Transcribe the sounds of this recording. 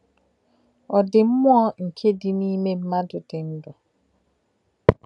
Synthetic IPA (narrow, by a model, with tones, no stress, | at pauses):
ɔ˨dɪ˨m̩˦m˦ɔ˦ŋ̩˨kʰe˦dɪ˨niː˦me˦m̩˦ma˦dʊ˨dɪ˨n̩˦dʊ˨